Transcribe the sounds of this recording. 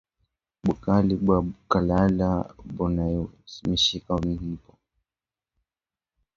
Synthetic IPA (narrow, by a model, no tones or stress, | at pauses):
ɓukaliɓwaukalalabɔnajɔmiʃikaumihipɔ